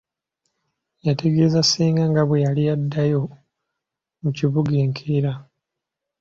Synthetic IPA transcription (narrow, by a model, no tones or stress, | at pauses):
jatʰe̞ɡe̞zasiːŋɡaŋɡaβwejalijadːajo̞ | muciβuɡeːŋkʰiɾa